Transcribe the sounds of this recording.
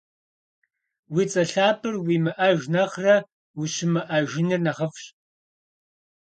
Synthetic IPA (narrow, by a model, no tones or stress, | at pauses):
wiːt͡sʼɐɬaːpʰɨrwiːmɨʔɐʒnɐχrɐ | wiɕɪmɨʔɐʒɪniːrnɐʁɐfɕʼ